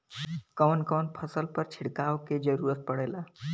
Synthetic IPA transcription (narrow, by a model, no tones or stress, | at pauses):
kəʋnkəʋnpʰəsəlpəɾt͡ʃʰiɽkaʋked͡ʒəɾuːɾət̪̚pəɽela